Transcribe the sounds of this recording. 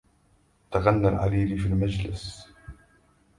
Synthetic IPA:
t̪aɣanːalʕa̰liːlifiːlmad͡ʒlɪs

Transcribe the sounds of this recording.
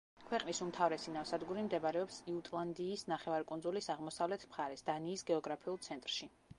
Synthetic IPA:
kʰwɛqʼnisumt̪ʰavɾɛsinafsad̪ɡuɾimd̪ɛbaɾɛɔpsiut̪ʼlˠand̪iːsnaχɛvaɾkʼunzulisaʁmɔsavlɛt̪ʰmχaɾɛsd̪̥aniːsɡɛɔɡɾapʰiulˠt̪sʰɛnt̪ʼɾʃi

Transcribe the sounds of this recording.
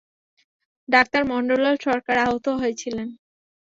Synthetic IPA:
ɖak̚t̪aɾmɔɳɖoleɾʃɔɾkaɾaɦot̪oɦojet͡ɕʰilen

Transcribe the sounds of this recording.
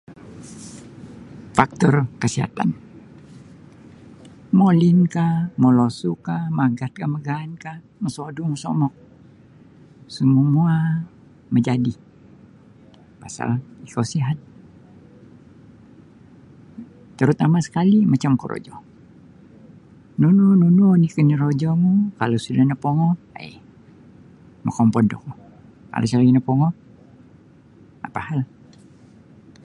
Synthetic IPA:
fak̚t̪ɔrkəsiɦa̰t̪a̰n | molinkaməlosukamaɡat̪̚kaməɡaːnka | məsoduməsɔ̰mɔk̚ | səmumua | məd͡ʒadi | pasa̰likawsiɦat̪̚ | t̪əɾut̪amasə̥kalimat͡ʃamkoɾʔo̰d͡ʒɔ̰ | nununununikəniɾod͡ʒɔmukalosudahnapɔŋɔ | a̰j | mə̰kɔmpɔndɔ̰ku | ka̰losalaɡinəpɔŋɔ | apahal

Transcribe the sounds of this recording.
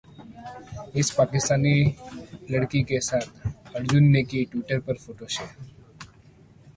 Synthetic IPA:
ɪspaːkɪst̪aːni | ləɽkikesaːt̪̚ʰɐɾd͡ʒʊnːekiʈwɪːʈəɾpəɾfʰoːʈoʃeː

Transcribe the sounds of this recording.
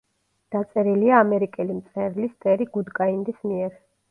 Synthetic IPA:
d̪̥at̪sʼɛɾiliaːmɛɾikʼɛlimt̪sʼɛɾlist̪ʼɛɾiɡud̪kʼaind̪ismiɛɾ

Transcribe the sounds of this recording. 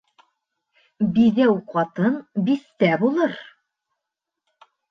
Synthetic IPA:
biðæwqɑt̪ɤnbiθt̪æbulˠɤɾ

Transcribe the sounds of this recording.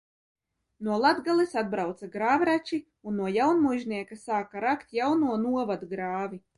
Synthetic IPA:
nuɔlˠad̪ɡalˠisad̪̚bɾawt̪saɡɾaːvɾat͡ʃi | unːuɔjawnmujʒnʲiɛkasaːkaɾakt̪ʲjawnuɔnuɔvad̪ɡɾaːvʲi

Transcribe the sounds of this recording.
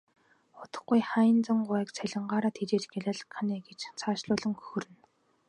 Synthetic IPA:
χʊt̪ə̥̆χɡujχaːjɪ̆nt͡sə̆ŋɢʊæːkt͡sʰæɮʲə̆ɴɢaːɾaːt̪ʰit͡ɕeːt͡ɕɡeɮaːɮə̆kʰːaniːɡet͡ɕt͡sʰaːʃɮʊːɮə̆ŋxɵ̥xɵ̆rɘ̆n

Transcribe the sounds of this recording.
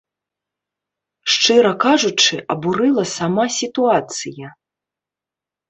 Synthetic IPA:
ʂt͡ʂɨɾɐkaʐut͡ʂɨʔɐbuɾɨlˠɐsamasʲit̪uat̪sɨjɐ

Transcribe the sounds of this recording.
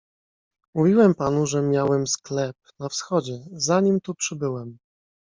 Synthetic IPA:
muvʲiwɛmpanuʐɛmʲjawɛmsklɛp̚nafsxɔd͡ʑɛzaɲimt̪upʂɘbɘwɛm

